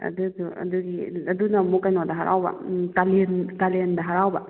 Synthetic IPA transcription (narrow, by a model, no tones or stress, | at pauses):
ɐ̰duduɐ̰duɡiɐdunamukajnadaɦaɾʔa̰wba̰kalenkalendaɦaɾawba